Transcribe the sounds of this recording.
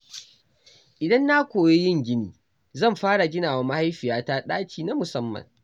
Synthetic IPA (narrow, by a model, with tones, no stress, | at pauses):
ʔɪ˨dɐ˦nːa˦kʷoː˨je˦jɪ˦˨ŋɡʲɪ˦nḭː˨ | zɐ˦˨mɸaː˦ɽa˨ɡʲɪ˦naː˨wa˦ma˦ha˦jɸɪ˨jaː˦ta˦ɗaː˦t͡ʃiː˨na˦mʊ˨sɐ˦mːɐ̰˨ŋ